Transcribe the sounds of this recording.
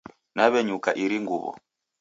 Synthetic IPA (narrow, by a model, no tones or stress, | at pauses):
naβɛɲukaʔiɾiŋɡuβɔ̰